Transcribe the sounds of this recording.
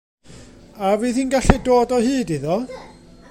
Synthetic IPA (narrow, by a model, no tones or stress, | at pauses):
aviːθiːnɡaɬɛdoːdɔɦɨːdiðɔ